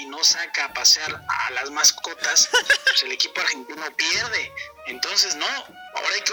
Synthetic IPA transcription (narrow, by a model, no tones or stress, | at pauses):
ino̞sakaːpaseaɾa̰lazmasko̞t̪aspese̞le̞kipoaɾxe̞nt̪ino̞pjeɾðe̞ent̪o̞ns̬e̞zno̞a̰o̞ɾaajke